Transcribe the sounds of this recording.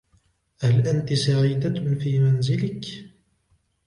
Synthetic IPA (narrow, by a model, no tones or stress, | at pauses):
halʔant̪ɪsaʕiːd̪afiːmanzɪlɪk